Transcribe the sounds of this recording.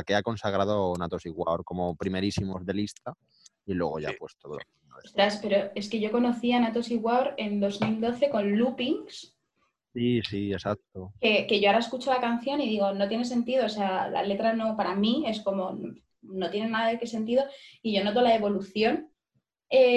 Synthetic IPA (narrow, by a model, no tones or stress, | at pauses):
akeako̞nsaɣ̞ɾað̞onat̪osiɣwa̰wɾko̞mo̞pɾime̞ɾisimo̞zðe̞list̪a | ilwe̞̰ɣo̞̰ʝa̰pwest̪oðo̰ | nost̪ɾaspe̞ɾo̞e̞ske̞ʝo̞ko̞no̞θianat̪o̞siɣwawɾe̞nd̪o̞zmild̪o̞θe̞ko̞nlupiŋs | sisie̞sak̚t̪oke̞ke̞ʝo̞aɾae̞skut͡ʃolakanθjo̞niðiɣ̞o̞no̞t̪jene̞s̬e̞nt̪iðo̞ːse̞ala̰le̞t̪ɾano̞paɾamĩe̞sko̞mo̞n | no̞t̪je̞nenaðaðekese̞nt̪̬iðo̞iʝo̞not̪̬o̞lae̞βo̞luθjo̞n | e